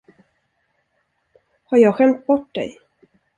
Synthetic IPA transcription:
haɾjɑːɡɧɛmt̪̚bɔʈ̚ːd̪ɛ̰j

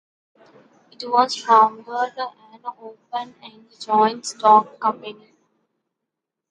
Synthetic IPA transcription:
ɪʈʋɔːzfɾɔ̃nd̪əd̪əʔæ̃noːpə̃nɛ̃ɳ | d͡ʒɔ̃ɪ̃nʈsʈɔːkːʌ̃mpeni

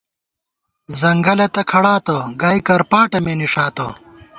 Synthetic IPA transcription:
zɐŋɡɐlɐt̪ɐkʰɐɽaːt̪ɐɡaːikɐɾpaːʈɐmeniʂaːt̪ɐ̰

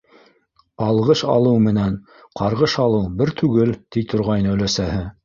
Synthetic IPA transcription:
ɑlˠʁɤʃɑ̰lˠɤwmɘ̆næn | qʰɑɾʁɤʃɑlˠɤwbɘɾt̪ʰʉɡɘlt̪it̪ʰŏɾʁɑjnɵ̆læsæhɘ

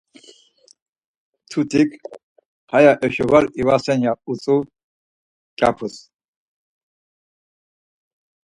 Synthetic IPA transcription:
t̪ʰut̪ʰʼikʰ | hajaʔɛʃɔvaɾivasɛnjaut͡sʼu | t͡ʃʼapʰus

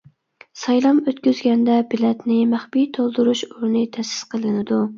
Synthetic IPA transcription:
sɑjlˠɑmøt̪kʲyzɡʲɛnd̪ɛbɪlɛt̪nɪmæχbijt̪ʰolˠd̪uɾuʃuɾnɨt̪ʰɛsɪ̥sqʰəlˠɨnɪd̪u

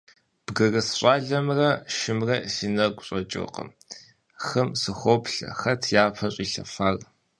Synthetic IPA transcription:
b̥ɡɐrɐsɕʷʼaːɮɐmrɐʃɪmrɐsinɐɡʷʼɕʼɐt͡ʃʼɪ̰qə̰m | xɐmsɨxʷɔpɬɐ̰xɐtʰjaːpʰɐɕʼiːɬɐ̰faːr

